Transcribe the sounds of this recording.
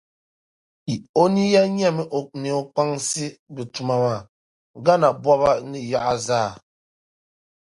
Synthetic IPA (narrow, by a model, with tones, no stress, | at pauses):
i˨o˦ni˦ja˦ɲ˦ɛ˦˨mɛ˨ʔo˨k̚ni˨o˦k͡pa˦ŋsi˦bɨ˨tu˨ma˨ma˨ | ɡa˦na˨bwa˦βa˦ni˦ja˦ʔa˦zaː˦˨